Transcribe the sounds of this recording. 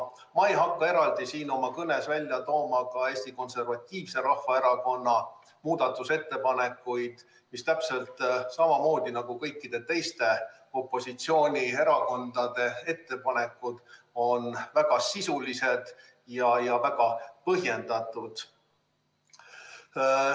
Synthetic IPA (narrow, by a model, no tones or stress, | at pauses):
mɑjɦɑkːɑe̞ɾɑld̪̥isiːno̞mɑkɤne̞svælʲjɑt̪o̞ːmɑkɑeːsʲt̪iko̞nse̞rvɑt̪ʲːiːvse̞ɾɑhvɑe̞ɾɑko̞nːɑ | muːd̪̥ɑt̪ːˑuse̞t̪ːe̞pɑne̞kːˑujd̪̥ | mist̪æpse̞lt̪ˑsɑmɑmo̞ːd̪̥inɑɡ̥ukɤjkːˑid̪̥e̞t̪e̞jst̪e̞ | o̞pˑːo̞sit̪sio̞ːnʲie̞ɾɑko̞nd̪̥ɑd̪̥e̞e̞t̪ːe̞pɑne̞kːˑud̪̥o̞nvæɡ̥ɑsisulise̞d̪̥ | jɑjɑvæɡ̥ɑpɤɦje̞nd̪̥ɑt̪ˑud̪̥